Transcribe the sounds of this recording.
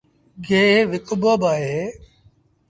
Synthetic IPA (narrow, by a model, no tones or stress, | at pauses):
ɡeːʋɪkʊbəbaːɦeː